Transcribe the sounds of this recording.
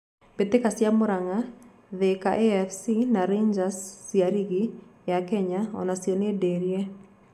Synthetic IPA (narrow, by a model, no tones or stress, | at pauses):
betekasjamʊɾaŋa | ðekaʔeɛfsinaɾeɲd͡ʒasːiaɾiɡijakɛɲaɔ̰nasjonedeɾje